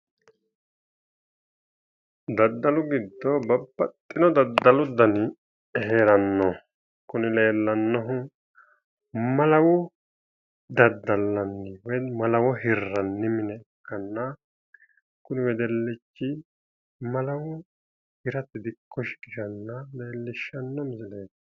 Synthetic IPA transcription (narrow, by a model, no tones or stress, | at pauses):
d̪ɐd̪ːɐlʊɡɪd̪ːɔbɐbːɐt̪ʼːɪnɔd̪ɐd̪ːɐlʊd̪ɐnɪ | ɦeːɾɐnːɔ | kʊnɪle̞ːlːɐnːɔɦʊ | mɐlɐwʊ | d̪ɐd̪ːɐlːɐnːɪwɛmɐlɐwɔɦɪrːɐnːɪmɪnɛɛkʰːɐnːɐ | kʊnɪwɛd̪ɛlːɪt͡ʃːɪ | mɐlɐwʊ | hɪɾɐt̪ːɪd̪ɪkʰːɔʃɪ̥kɪʃɐnːɐleːlːɪʃːɐnːɔmɪsɪleːtː